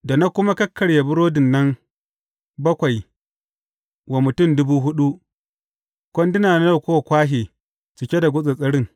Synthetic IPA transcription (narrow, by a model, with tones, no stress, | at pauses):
da˨na˦kʷʊ˦ma˦kɐ˦kʰːɐ˨ɽja˨bʊ˦ɽoː˦dɪ˨nːɐ˦ŋ | bɐ˦kʷa˨j | wa˨mʊ˨tʊ˦˨mdʊ˦buː˦ɦʊ˦ɗu˦ʔ | kʷɔ˦ndɪ˦naː˨na˦na˦˨kʷoː˦wa˨kʷaː˦ɦeː˨ | t͡ʃɪ˨kʲe˦da˨ɡʷʊ˦sʼe˨sʼɐ˦ɽɪ˦ŋ